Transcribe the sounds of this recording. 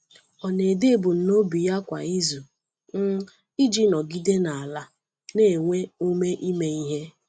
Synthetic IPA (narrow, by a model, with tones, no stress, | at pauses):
ɔ˨ne˨de˦˨bʊ˨n̩˨no˦bi˨ja˦kʷa̰˨i˦zu˨ | n̩˦ | i˦d͡ʒi˦nɔ˨ɡi˦de˦na˨a˨la˦ | ne˨ŋʷe˦u˦me˦ʔi˦me˦i˦ɦe˦